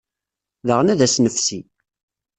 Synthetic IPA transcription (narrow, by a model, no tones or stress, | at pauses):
ðəʁnæðæsnəfsi